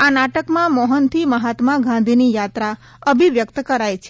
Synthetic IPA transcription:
anaʈəkmãmɔɦənt̪ʰiməɦat̪maɡãnd̪ʱinijat̪ɾa | əbʱiʋjək̚t̪kəɾajt͡ʃʰe

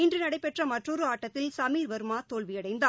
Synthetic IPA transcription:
ɪndrɯnɐɽɐɪpɛʈrɐmɐʈrɔɾɯaːʈːɐt̪ːɪlsɐmiːɾʋɐɾɯmaːt̪oːɭʋɪjɐɽɐɪnd̪aː

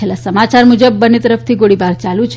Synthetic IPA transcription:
elassəmat͡ʃaɾmud͡ʒəbːənːet̪əɾəft̪ʰiɡoɽibaɾt͡ʃalũt͡ʃʰ

